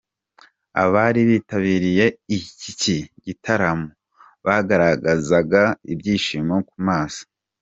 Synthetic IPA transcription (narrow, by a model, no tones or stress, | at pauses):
a̰βaɾiβiːtaβiːɾije̞iciciɟitʰaɾamo | βaɡaɾaɡazaɡaibɟiːʃiːmokumaːsḁ